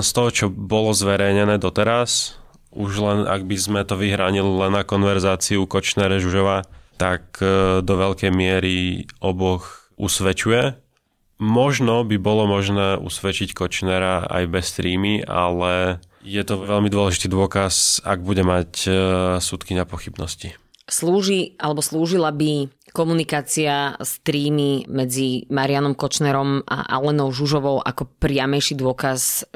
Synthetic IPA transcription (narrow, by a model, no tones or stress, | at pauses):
nst̪ɔɦɔt͡ʃɔbɔlɔzʋɛɾɛjɲɛnɛːd̪ɔt̪ɛɾas | uʒlɛna̰ɡ̚bizmɛt̪ɔʋiɦɾaːɲililɛnːakɔnʋɛɾzaːt͡siukɔt͡ʃnɛɾɛʒuʒɔʋaːt̪akd̪ɔʋɛʎkɛjmɪɛɾiɔbɔx | ʔusʋɛt͡ʃujɛ | mɔʒnɔbibɔlɔmɔʒnɛːʔṵsʋɛt͡ʃickɔt͡ʃnɛɾaa̰jbɛst̪ɾiːmia̰lɛ | jɛt̪ɔʋɛʎmid̪ʊɔlɛʒit̪iːd̪ʊɔkasa̰ɡ̚buɟɛmacsut̪kiɲapɔxibnɔsci | sluːʒiʔalɛbɔsluːʒilabikɔmunikaːt͡siast̪ɾiːmimɛd͡zimaɾianɔmkɔt͡ʃnɛɾɔmʔa̰ʔa̰lɛnɔʊʒuʒɔʋɔʊʔakɔpɾɪamɛjʃid̪ʊɔkas